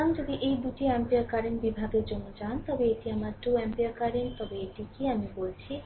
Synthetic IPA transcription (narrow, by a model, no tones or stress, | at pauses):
amd͡ʑod̪iʔejbuʈiɛmpijakaɾinbibʱaɡeɾd͡ʑonːod͡ʑant̪ɔbeeʈiamaɾʈuɛmpiakaɾint̪ɔbeeʈikiamibolt͡ɕʰi